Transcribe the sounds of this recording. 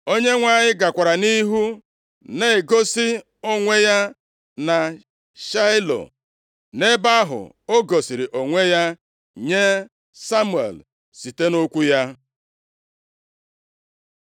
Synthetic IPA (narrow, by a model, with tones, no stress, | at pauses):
o˦ɲe˦ŋʷa˦˨ɲɪ˦ɡa˨kʷa˨ɾa˨ni˦ɦu˦ | ne˦˨ɡo˦si˦ | o˦ŋʷe˦ja˦ | na˨ | ʃa˦jlo̰˨ | ne˦ba˦a˦ɦʊ̰˨ | o˦ɡo˨si˨ɾi˨ʔo˨ŋʷe˦ja˦ | ɲe˦ | sa˦mu˨ḛ˨l | si˨te˦no˦kʷu˦ja˦